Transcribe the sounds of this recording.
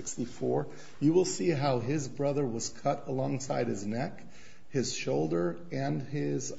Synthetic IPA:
ɪkstifɔɹ | jɨwɪlˠsiɦaʊɪzbɹʌðə˞wʌz̥kʰʌɾəlɔ̃ŋsaɪɾ̚ɨznɛk | hɪz̥ʃoʊlˠdə˞ | ɨ̃nɪz

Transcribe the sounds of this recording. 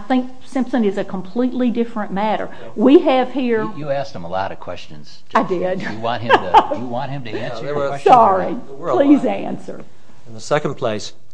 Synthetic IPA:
θɪ̃ŋk̚ | sɪ̃mpsɨ̃nɨzɨkʰə̃m̩pʰl̥itʔˡlidɪfɹə̃nmæɾə̰˞ | wiɨv̥hiɹjɨæs̚ə̃məlɑ̰ɾʌv̥kʰw̥ɛ̰st͡ʃɨ̃n̩z̥ | aɪdɪd̥jɨwɑ̃nɨ̃jɨwɑ̃nt̚hɨ̃mtɨæ̃nsəsɑɹi | l̥izæ̃nsə̰˞ | ɨ̃nðəsɛknpʰl̥eɪs

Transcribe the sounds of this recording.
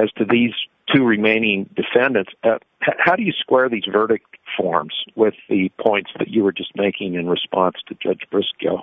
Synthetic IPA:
ɨz̥tʰɨðiz̥ | tʰʉɹɨmẽɪ̃nɪ̃ŋdɨfɛ̃ndɨ̃ntsʌ | hahaʊɾɨjɨskwɛɹðizvɜ˞ɾɨk̚tfɔ̰ɹmz̥wɪðɨpʰɔ̃ɪ̃ntsðɨ̰t͡ʃɨwə˞d͡ʒʌsmeɪkɪ̃ŋɨ̃nɹɨspɑ̃nstʰɨd͡ʒʌ̰d͡ʒbɹɪsko̰ʊ

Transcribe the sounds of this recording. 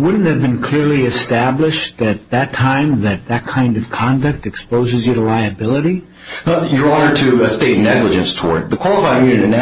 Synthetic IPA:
wʊdⁿn̩thɨvbɨ̃nkʰl̥ɪɹliɨstæblɪʃðɨt̪̚ðɨtʰãɪ̃mðɨt̪̚ðɨt̚kʰãɪ̃ndʌv̥kʰɑ̃ndɨk̚tɨkspoʊzɨzjɨɾəlaɪɨbɪlˠəɾi | jə˞ɑnə˞ɾɨsteɪtⁿnɛɡləd͡ʒɨ̃nstʰwɔ̰ɹd̚ðɨkʰw̥ɑlˠəfaɪɪ̃ŋjʉnɨɾina

